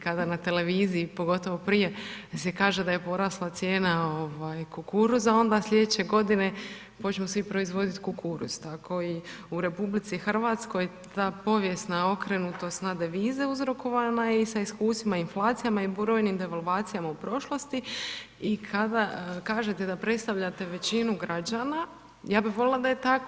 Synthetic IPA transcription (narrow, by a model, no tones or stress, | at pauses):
kad̪anat̪e̞le̞ʋiːziipo̞ɡo̞t̪o̞ʋo̞pɾije̞sekaːʒe̞d̪ajepo̞ɾaslˠat̪sje̞ːnao̞ʋajkukuɾuzao̞nd̪aslʲe̞d̪et͡ɕe̞ɡo̞d̪ine̞ | po̞t͡ɕmosʋipɾo̞izʋo̞d̪it̪kukʰuɾṵz̥t̪akʰo̞iuɾe̞publit̪sixr̩ʋat̪sko̞jet̪aːpo̞ʋje̞st̪nao̞kɾenut̪o̞st̪nad̪eʋiːzeuzɾo̞kʰo̞ʋanaisaiskuːst̪ʋimainflˠaːt̪sijamaibuɾo̞jnimd̪e̞ʋalˠʋaːt̪sijamaupɾo̞ʃlˠo̞st̪i | ikʰad̪akaːʒe̞t̪ed̪apɾe̞t̪st̪aʋʎat̪e̞ʋe̞t͡ɕinuɡɾad͡ʒana | jaːbiʋo̞lelˠad̪ajet̪ak